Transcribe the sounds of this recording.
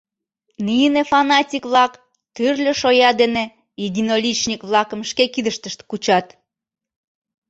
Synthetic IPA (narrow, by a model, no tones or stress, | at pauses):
nijənefɑnɑtʲikβlɑk | t̪yrlʲə̆ʃojɑd̪ene | id̪ʲinolʲit͡ɕnʲikβlɑkəmʃkekid̪əʃt̪əʃt̪kut͡ɕɑt̪